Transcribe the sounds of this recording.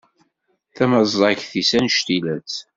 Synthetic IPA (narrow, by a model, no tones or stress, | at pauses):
θæməzˤɑçθisænʃt̪ilæt͡s